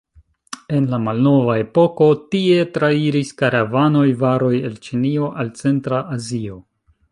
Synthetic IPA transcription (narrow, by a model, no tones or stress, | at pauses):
e̞nlamalno̞vae̞po̞ko̞tie̞tɾaiɾiskaɾavano̞jvaɾo̞je̞lt͡ʃinio̞ʔalt͡se̞ntɾaʔazio̞